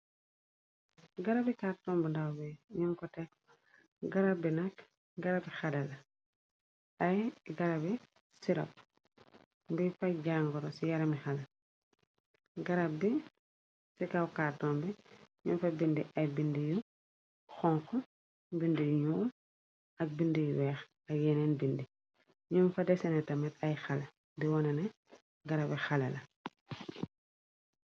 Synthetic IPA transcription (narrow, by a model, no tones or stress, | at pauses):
ɡɐɾabikaɾtɔmbindawbɛɲuŋkɔtɛk | ɡɐɾabinɐk | ɡɐɾabixalɐlɐ | ɐjɡɐɾabi | siɾɐ̰p̚ | bifajɟaŋɡɔɾɔsijaɾɐmixɐlɐ | ɡɐɾabi | sikɐwkaːrtɔːmbiɲunfɐbindiʔɐjbindiju | xɔŋkɔ | bindijɲuː | ɐk̚bindijuwɛːx | ɐjɛnɛnbindi | ɲumfɐdɛsɛnɛtɐmɛtɐjxɐlɐ | diwɔnɐnɛ | ɡɐɾɐbixɐlɐlɐ